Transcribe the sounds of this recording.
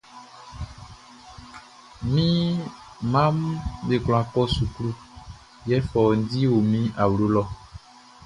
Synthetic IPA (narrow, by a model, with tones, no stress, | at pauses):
mĩ˦ | mã˦mɖe˨kl̃ã˨kɔ˦su˨klu˦ | jɛ˦fɔ˨n˦di˦wo˨mĩ˦a˨wlo˦lɔ˦